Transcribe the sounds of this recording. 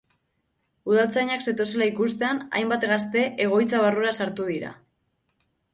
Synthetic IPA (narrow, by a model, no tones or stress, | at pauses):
uð̞alt͡saɲakse̞t̪o̞se̞laikust̪e̞ana̰jmbat̪ɣast̪e̞ʔe̞ɣ̞o̞jt͡saβ̞aruɾasaɾt̪uð̞iɾa̰